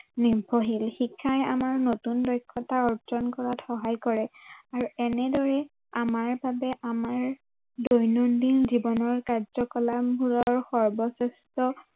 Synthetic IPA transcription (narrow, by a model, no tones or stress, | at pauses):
nibʱoɦilxikʰːaja̰maɹnotundɔjkʰːɔtaɔɹd͡ʒɔnkɔɹatxɔɦajkɔɹɛaɹuɛnɛdɔɹɛ | amaɹbabɛʔamaɹ | dɔjnɔndinzibɔnɔɹkaɹzɔkɔlabʱulɔɹxɔɹbɔsɛstɔ